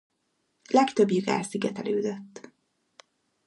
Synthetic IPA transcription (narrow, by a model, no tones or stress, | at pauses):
lɛkt̪ø̞bjiɡa̰ːlsiɡɛt̪ɛløːd̪øt̪ː